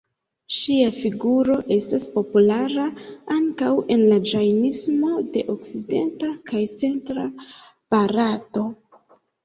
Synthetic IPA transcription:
ʃiafiɡuɾo̞ʔe̞staspo̞pulaɾaaŋkawe̞nlad͡ʒajnismo̞de̞ʔo̞kside̞ntakajt͡se̞ntɾa | b̥aɾato̞

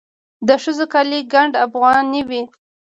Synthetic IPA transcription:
d̪əʃəzokaliɡaɳɖafɣɑnːiwi

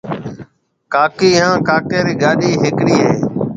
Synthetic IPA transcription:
kaːkiːɦãːkaːkeːɾiːɡaːɗiːɦɪkɽiːɦeː

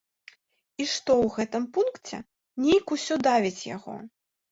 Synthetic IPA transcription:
iʂt̪ɔwɣɛt̪ɨmpunkt͡sʲɛ̰ | nʲejkusʲɔd̪avʲit͡sʲja̰ɣɔ̰

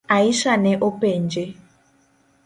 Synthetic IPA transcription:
aiʃanɛʔɔpend͡ʒe

